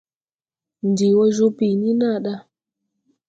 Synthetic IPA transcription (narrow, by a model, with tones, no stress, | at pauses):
n˨di˨wɔ˦ʒu˦pi˨nĩ˦na˦˨ɗa˦